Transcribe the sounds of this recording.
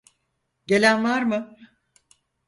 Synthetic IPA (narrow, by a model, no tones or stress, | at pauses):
ɟe̞lʲænvaɾmɯ